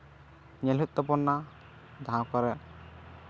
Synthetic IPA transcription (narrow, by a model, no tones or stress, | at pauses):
ɲɛlut̪̚t̪ɔpɔnːa | d̪ʱãkaɾɛ